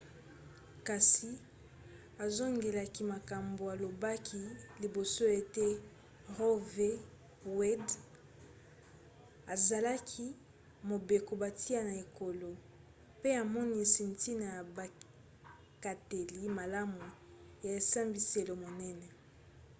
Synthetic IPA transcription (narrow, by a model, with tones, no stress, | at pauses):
ka˨si˨ | a˨zo˦ŋɡe˨la˨ki˦ma˨ka˨mbo˨a˨lo˨ba˦kʰi˦li˨bo˨so˦e˨te˦ | ʁo˦ve˦ | wɛ˦d | a˨za˨la˦kʰi˦ | mo˨be˨ko˨ba˨tʰi˦a˦na˨e˨ko˨lo˨ | pe˦a˨mɔ˦ni˦si˨nti˦na˨ja˨ba˨ | ka˨te˨li˦ma˨la˦mu˨ja˨e˨sa˦mbi˨se˨lo˨mo˨nɛ˦nɛ˨